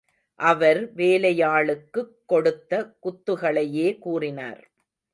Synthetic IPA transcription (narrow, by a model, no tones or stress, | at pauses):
ʔɐʋɐɾʋeːlɐjaːɭɯkːɯkːɔɽɯt̪ːɐkʊt̪ːɯɣɐɭɐjeːkuːrɪna̰ːɾ